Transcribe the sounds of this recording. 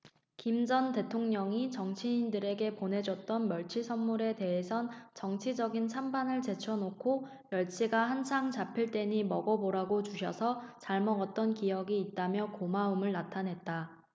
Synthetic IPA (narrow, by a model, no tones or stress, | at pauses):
kimd͡ʑʌnte̞tʰoŋɲʌŋit͡ɕʌŋt͡ɕʰiːndɯɾe̞ɡe̞pone̞d͡ʑʌt̚t͈ʌnmjʌɭt͡ɕʰisʰʌnmuɾe̞te̞ɦesʰʌnt͡ɕʌŋt͡ɕʰid͡ʑʌɡint͡ɕʰambanɯɭt͡ɕe̞t͡ɕʰʌnokʰo | jʌɭt͡ɕʰiɡahansʰaŋt͡ɕapʰiɭt͈e̞ɲimʌɡʌboɾaɡot͡ɕuɕʰʌsʰʌt͡ɕaɭmʌɡʌt̚t͈ʌnkijʌɡiːt̚t͈amjʌkomaumɯɭnatʰanɦe̞t̚t͈a